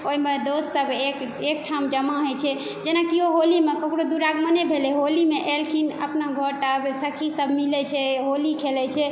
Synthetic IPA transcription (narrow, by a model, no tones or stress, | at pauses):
oimed̪osːəbek | ek̚ʈʰamd͡ʒəmaɦojt͡ʃʰɛ | d͡ʒenakioɦolimekəkɽod̪uɾaɡmənebʱelɛɦolimeʔelkʰinə̰pnaɡʱoɾʈabsəkʰisəbʱmilɛt͡ʃʰɛɦolikʰelɛt͡ʃʰɛ